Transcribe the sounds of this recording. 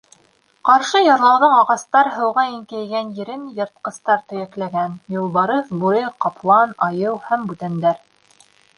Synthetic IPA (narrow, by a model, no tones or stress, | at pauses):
qɑɾʃɤjɑɾlˠɑwðɤɴɑʁɑst̪ɑɾɦɤ̆wʁɑiŋkæjɡænjɘ̆ɾɘnjɤ̆ɾt̪̚qɤ̆st̪ɑɾt̪ɵ̆jæklæɡænjŏlˠβɑɾɤðbuɾɤqɑplˠɑnɑjɤwhæmbʉt̪ænd̪æɾ